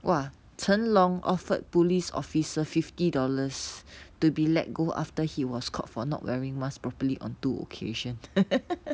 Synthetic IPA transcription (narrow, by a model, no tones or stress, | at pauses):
wa | tʰə̃nlɔ̃ŋʔɔ̰fət̚pulisɔ̰fisəfiftidɔləstubilɛ̰t̚ɡoʔa̰ftəhiwɔskʰɔ̰tfɔnɔ̰ʔwʔɛ̰ɹĩŋmat͡ʃpɹɔpəliʔɔ̰̃ntuo̰kʰeʃə̃n